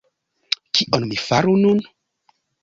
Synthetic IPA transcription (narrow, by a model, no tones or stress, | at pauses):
kʰiʔonnifaɾunun